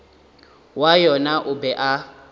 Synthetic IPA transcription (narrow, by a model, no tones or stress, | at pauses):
wajɔnaʔʊbɛʔa